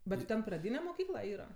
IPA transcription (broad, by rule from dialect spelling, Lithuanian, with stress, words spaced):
bʲɛt tʲɪ ˈtʲɛn prɐˈdʲiːnʲɛ moːˈkʲiːklˠɐ ˈiːrɐ